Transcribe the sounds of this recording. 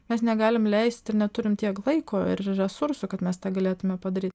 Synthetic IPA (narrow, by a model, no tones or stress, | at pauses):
mʲɛsnʲɛɡɑːlʲɪmlʲɛɪsʲt̪ɪɾnʲɛt̪ʊɾʲɪmt̪ʲiɛklˠɐɪkʰoːɪ̰ɾɾʲɛsʊɾsʊkɐt̪mʲɛst̪ɑːɡɐlʲeːt̪ʊmʲɛpɐd̪ɐɾʲiːt̪̚ʲ